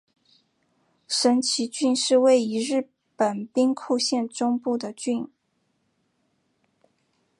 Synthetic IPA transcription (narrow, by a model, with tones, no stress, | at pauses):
ʂə˧˥nt͡ɕʰi˧˥t͡ɕy˥˧nʂɻ̩˥˧we˥˩ɪi˧˥ɻɻ̩˥˩ | pə˨˩npi˥ŋkʰu˥˧ɕjɛ˥˧nʈ͡ʂʊ˥ŋpu˥˩d̪ə˩t͡ɕy˥˧n